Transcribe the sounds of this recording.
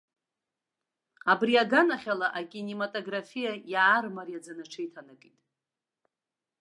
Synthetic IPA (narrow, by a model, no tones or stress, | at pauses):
abriaɡanaχʲalaʔakʲʼinematʼoɡrafijajaːrmarjad͡zanaʈ͡ʂʰejtʰanɨkʼitʼ